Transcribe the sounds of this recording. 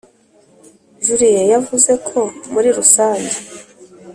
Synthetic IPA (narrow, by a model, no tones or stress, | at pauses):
ʒuɾijejavuze̞kʰo̞muɾiɾusaːɲɟe